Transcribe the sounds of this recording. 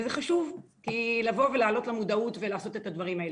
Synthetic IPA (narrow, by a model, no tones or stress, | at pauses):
zeχaʃuvkilavo̞velaːlo̞tlamudautvelaːso̞te̞tadvaʁimael